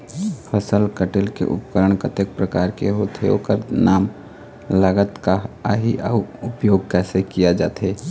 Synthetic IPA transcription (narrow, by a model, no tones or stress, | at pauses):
fʰəsəlkəʈɪlkḛʔʊ̰pkəɾəɳ̃kət̪ek̚pɾəkaːɾkeɦot̪ʰeo̰kəɾnaːm | ləɡət̪kaaɦiʔəʊpjoːɡ̚kɛːsekijad͡ʒa̰ːt̪ɦeː